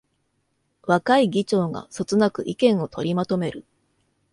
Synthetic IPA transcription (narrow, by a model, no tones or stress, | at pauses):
βakaiɡʲit͡ɕo̞ːɡa̰sot͡sɨnakɯ̟ʔikẽɰ̃o̞t̪ʰo̞ɾʲimat̪o̞me̞ɾɯ̟